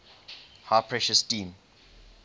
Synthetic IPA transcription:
haːpʰɹɛʃəstĩːm

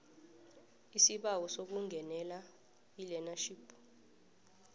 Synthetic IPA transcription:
isiɓawɔsok̬uŋɡʱɛnɛla | ilɛnaʃipʰu

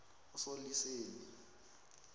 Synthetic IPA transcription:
ʊsoliseːli

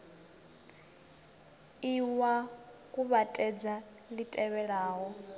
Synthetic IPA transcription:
iwakʼuβatʼɛd͡za | litʼɛβɛɺaːɦɔ

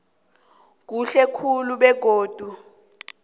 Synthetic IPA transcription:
k̬uɬɛkʰuluɓɛɡ̥ʱoːd̥ʱu

